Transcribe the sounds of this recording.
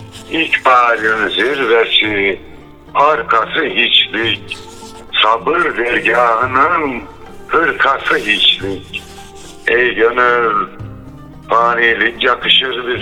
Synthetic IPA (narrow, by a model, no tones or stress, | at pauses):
icpʰaːɾɯnziɾvɛsi | aɾkʰasɯɦit͡ʃlic̚ | sabɯɾd̪ɛɾɟaːɦɯnɯn | kʰɯɾkʰasɯɦit͡ʃlʲic | ɛjɟønøɾ | pʰaːnilʲikjakʰɯʃɯɾbi